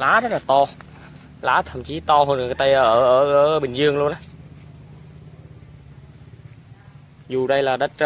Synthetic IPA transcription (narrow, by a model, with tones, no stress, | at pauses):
laː˨˦zə˦˥t̚laː˨˩t̪ɔ˧ | laː˨˦˥t̪ʰə˧˩mt͡ɕi˨˦t̪ɔ˧ɦo˧˩n˨˩t̪ə˧jʔəː˧əː˧˩ʔːʔəː˧˩ɓï˨˩ŋ̟zɨ˧əŋlu˧ənʔa˨˦ | zu˨˩ɗə˧jlaː˨˩ɗə˦˥t̚